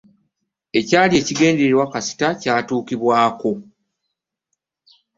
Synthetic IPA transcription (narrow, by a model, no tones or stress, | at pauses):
e̞caːlje̞ːciɡe̞ːnde̞ɾeɾwakasi̥tacaːtuːkiβwaːko̞